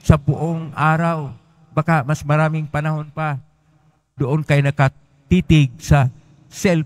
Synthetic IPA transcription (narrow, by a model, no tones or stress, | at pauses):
sɐbʊʔoŋʔaːɾaw | bakamasmɐɾaːmɪŋpɐnɐhonpa | d̪oʔonkajnɐkɐ | t̪iːt̪ɪɡ̚sɐ | sɛl